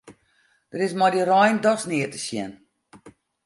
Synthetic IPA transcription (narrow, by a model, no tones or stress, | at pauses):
d̥ərɪsmɔjdirɔjndɔsnɪətə̥sjɛn